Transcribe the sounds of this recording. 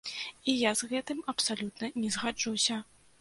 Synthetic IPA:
ijazɣɛt̪ɨmɐpsalʲut̪nɐnʲɛzɣad͡ʐusʲɐ

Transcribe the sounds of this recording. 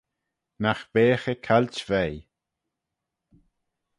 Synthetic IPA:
naxb̥eːxəkʰalt͡ʃvɛj

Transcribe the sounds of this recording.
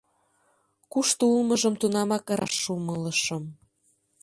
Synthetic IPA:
kuʃt̪oulməʒəmt̪unɑmɑkɾɑ̰ʃːumələʃəm

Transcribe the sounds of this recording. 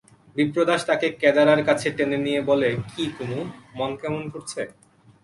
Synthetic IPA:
bipɾod̪aʃt̪akekɛd͡ʑaɾaɾkat͡ɕʰeʈenenijebolekʰikonomɔnkɛmonkoɾt͡ɕʰe

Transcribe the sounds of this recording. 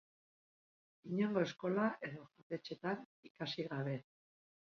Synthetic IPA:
iɲeŋɡo̞e̞sko̞laʔe̞ðoxoɾt̪e̞t͡ʃe̞t̪an | ikasiɣaβ̞e̞

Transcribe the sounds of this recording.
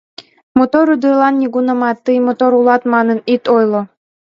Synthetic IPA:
mot̪oɾyd̪ɯlˠɑnːʲiɡunɤ̆mɑt̪ːɯjmot̪oɾulˠɑt̪mɑnɤnit̪ojlˠo

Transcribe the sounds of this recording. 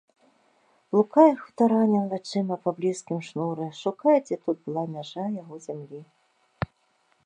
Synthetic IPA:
lˠukajɛxwt̪aɾanʲɛlʲˠat͡ʂɨmɐpablʲiskʲimʂnuɾɨʂukajt͡sʲɛt̪ut̪̚bɨlˠamʲaʐajaɣɔzʲamlʲi

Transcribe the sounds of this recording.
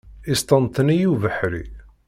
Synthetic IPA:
ist̪ɑnt̪nijuvəħɾḭ

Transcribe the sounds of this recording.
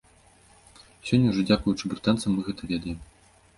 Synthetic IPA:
sʲɔnʲːɐuʐɔd͡zʲakujut͡ʂɨbɾɨt̪ant̪sɐmːɨɣɛt̪ɐvʲɛd̪ɐjɛm

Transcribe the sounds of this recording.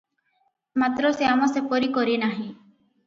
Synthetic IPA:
mat̪ɾɔseamɔ̃sepɔɾikɔɾinaɦĩ

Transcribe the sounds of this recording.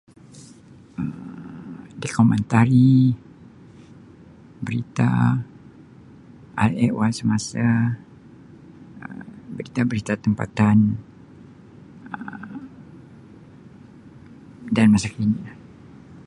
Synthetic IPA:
əm | dekɔmɛ̃nt̪aɾi | bəɾit̪a̰ | ʔalɛʔwalsəmasa | ə̰bəɾit̪abəɾit̪at̪əmpa̰t̪an | ə | danmasakinilah

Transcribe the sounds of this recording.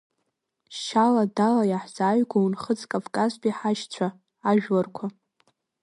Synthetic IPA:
ʃaladalajaħz̥aːɥɡʷaunχət͡sʼkʼavkʼazpʼiħaʃt͡ɕʷʰaː | ʒᶣlarkʷʰa

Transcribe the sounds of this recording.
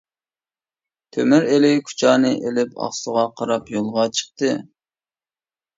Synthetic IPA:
t̪ʰømyɾelɪjkʰu̥t͡ʃʰɑːnɨʔelɪpɑ̰χsəʁɑqʰɑɾɑpjolˠʁɑt͡ʃʰə̥χ̚t̪ɨ

